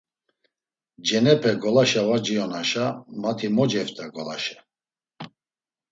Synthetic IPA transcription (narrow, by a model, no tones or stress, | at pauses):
d͡ʒɛnɛpʰɛɡɔlaʃavad͡ʒiɔnaʃamat̪ʰimɔd͡ʒɛft̪ʰʼaɡɔla̰ʃɛ